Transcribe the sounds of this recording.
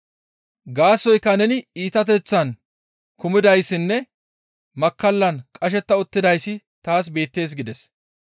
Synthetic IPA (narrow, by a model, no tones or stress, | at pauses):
ɡaːsːɔjkːɐnɛnɪiːt̪ɐt̪̬ɛt͡sːɐn | kʊmɪd̪ɐjsːɪnːɛ | mɐkːɐlːɐnkʼɐʃ̬ɛt̪ːɐʊt̪ːɪd̪ɐjsːɪ | t̪aːs̬be̞ːt̪ːe̞ːs̬ɡɪd̪ɛs